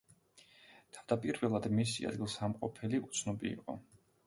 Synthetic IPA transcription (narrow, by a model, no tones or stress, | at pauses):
t̪ʰavd̪apʼiɾvɛlˠad̪misḭa̰d̪̚ɡilˠsamqʼɔpʰɛliut̪sʰnɔbiːqʼɔ̰